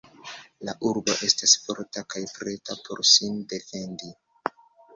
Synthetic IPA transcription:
laʔuɾbo̞ʔe̞stasfo̞̰ɾtakajpɾe̞tapʰo̞̰ɾsinde̞fe̞ndi

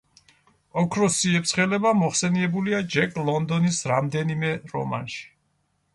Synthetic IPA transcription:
ɔkʰɾɔsiɛptsʰχɛlɛbamɔχsɛniɛbuliad͡ʒɛkʼlˠɔnd̪ɔnisɾamd̪ɛnimɛɾɔ̰ma̰nʃi̥

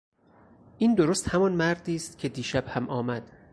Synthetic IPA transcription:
ʔiːnd̪oɾoːst̪hæmɒnmæɾd̪iːst̪cʰe̞d̪iːʃæb̥hæmɒːmæd̪̥

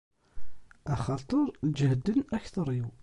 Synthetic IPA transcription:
æχɑt̪ˤəɾˤld͡ʒhd̪ːənæçθɑɾˤiw

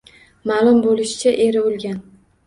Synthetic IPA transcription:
malˠʊmbolɪʃɪ̥t͡ʃʰaʔeɾɪolˠɡʲan

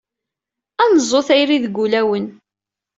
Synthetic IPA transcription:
ænzˤːoθæjɾiðɡulæwən

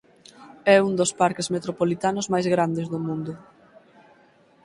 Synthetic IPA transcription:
ɛund̪ospaɾkezmet̪ɾopolit̪anʊzmajzɣɾand̪ezðʊmũnd̪ʊ

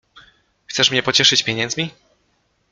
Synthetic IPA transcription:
xt̪sɛʂmɲɛpɔt͡ɕɛʂɘt͡ɕpʲjeɲɛndzmʲi

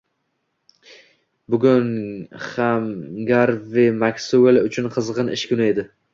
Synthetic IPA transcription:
bʊɡʲʊnhamɡaɾvɪmakʲsʊelʊt͡ʃʰʊnqʰɨzʁɨnɪ̰ʃkʲʰʊnaed̪ɪ

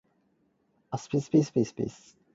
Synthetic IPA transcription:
aspispispispḭs

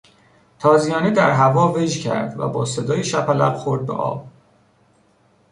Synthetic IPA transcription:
t̪ʰɒːzijɒːnid̪æɾɦævɒːved͡ʒcʰæ̰ɾd̪væ̰bɒːsed̪ɒːjeʃæpʰælæ̰b̥xoɾd̪̚bḛʔɒ̰ːb̥̚

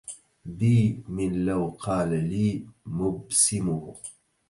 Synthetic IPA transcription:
biːmɪnlawqʰɑːlaliːmʊbsɪmʊ

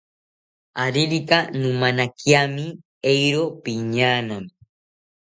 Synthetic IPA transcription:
aɾiɾikanumanakjami | ejɾopiɲaːnam

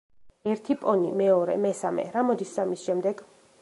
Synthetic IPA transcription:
ɛɾt̪ʰipʼɔnḭmɛɔɾɛ̰mɛsamɛ̰ɾamɔd̪isamisʃɛmd̪ɛɡ

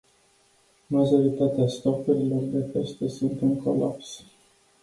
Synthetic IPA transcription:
maʒo̞ɾit̪at̪east̪opuɾilo̞rd̪e̞pe̞st̪e̞sunt̪ɨŋko̞la̰ps

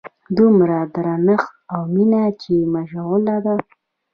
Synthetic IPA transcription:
d̪umɾad̪ɾanəxawminat͡ʃemaʒaɣʊlad̪a

